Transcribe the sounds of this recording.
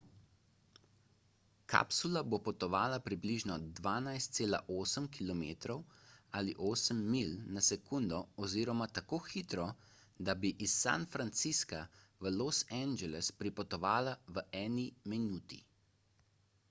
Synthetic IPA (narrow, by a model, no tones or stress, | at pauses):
kʰa̰psulabopɔt̪ɔʋaːlapɾibliʒnɔd̪ʋaːnajst̪̚seːla̰ʔoːsəmkilɔmeːt̪ɾɔwaliʔoːsəmːilnasɛkund̪ɔɔziːɾɔmat̪akoːxiːt̪ɾɔ | d̪abiʔisːa̰nfɾant̪siskaʋəlosɛnd͡ʒɛlɛspɾipɔt̪ɔʋaːlaʋəʔɛːniminuːt̪ḭ